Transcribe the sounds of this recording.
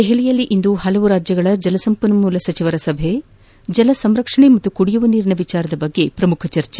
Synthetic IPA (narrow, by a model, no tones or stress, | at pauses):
d̪eɦeɭijɐlːiʔind̪uhɐlɐʋuɾaːd͡ʒjɐɡɐɭɐd͡ʒɐlɐsɐmpɐnɐmuːlɐsɐt͡ʃiʋɐɾɐsɐbʱe | d͡ʒɐlɐsɐmɾɐkʂɐɳemɐt̪ːukuɽijuʋɐniːɾɳɐʋit͡ʃaːɾɐd̪ɐbɐɡːe̞pɾɐmukʰɐt͡ʃɐɾt͡ʃe